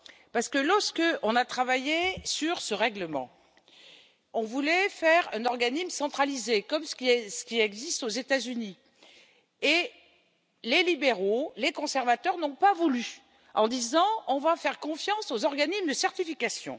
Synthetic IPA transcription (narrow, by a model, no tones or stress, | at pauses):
paʁsə̥kəlɔʁskəʔɔ̃nat̪χavajesyʁsəʁɛɡləmɑ̰̃ | ɔ̃vulɛfɛʁɛ̃nɔʁɡanismsɑ̃t̪χalizekɔmssə̥kʲiɛɡzist̪ozet̪azyni | e | lelibeʁolekɔ̃sɛʁvat̪œʁnɔ̃pavuly | ɑ̰̃d̪izɑ̃ɔ̃vafɛʁkɔ̃fjɑ̃sozɔʁɡanismd̪əsɛʁt̪ifikasjɔ̰̃